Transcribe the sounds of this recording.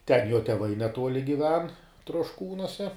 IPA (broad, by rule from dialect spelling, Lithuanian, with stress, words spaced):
tʲɛn joː tʲɛˈʋɐɪ nʲɛˈtuɔlʲɪ ɡʲɪˈʋʲɛn troːʃˈkuːnuɔsʲɛ